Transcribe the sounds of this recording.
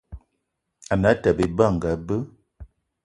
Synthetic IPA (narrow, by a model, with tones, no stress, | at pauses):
a˨na˨˦ta˨be˨ba˦˨ŋ˨ɡa˨bə˦